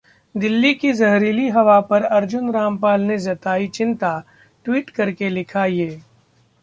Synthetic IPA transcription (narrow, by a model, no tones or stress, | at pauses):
d̪ɪlːikizɐɦɾiːliɦɐʋapɐɾɐɾd͡ʒʊnɾaːmpaːlnezɐt̪aːit͡ʃɪ̃nt̪a | ʈwiːʈkɐɾkelɪkʰajeː